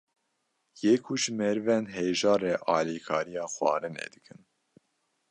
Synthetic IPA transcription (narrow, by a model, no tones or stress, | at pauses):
jeːkʰuʒɨmɛɾvɛnɦeːʒɑːrɛʔɑːlikʰɑːɾijɑːxʷwɑ̰ːɾɨnɛ̰d̪ɨkʰɨn